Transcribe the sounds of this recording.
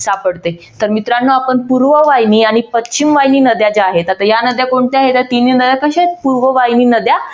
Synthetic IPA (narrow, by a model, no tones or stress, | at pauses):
sapəɽt̪e | t̪əɾmit̪ɾanːoapəɳpuɾʋəʋajniːaɽ̃ipətːt͡ɕimʋajniːnəd̪ʱjad͡ʑaɦet̪at̪ajanəd̪ʱjakoɳʈ̪eaɦet̪jat̪ininəd̪jakəɕapuɾʋəʋajniːnəd̪ʱja